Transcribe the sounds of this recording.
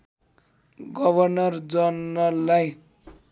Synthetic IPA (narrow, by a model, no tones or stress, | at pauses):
ɡʌbʌrnʌrd͡zʌnːʌlaj